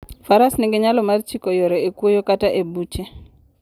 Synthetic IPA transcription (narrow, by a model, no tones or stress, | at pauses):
faɾasniŋɡeɲalɔmart͡ʃikɔjɔɾɛekwojokataʔebut͡ʃɛ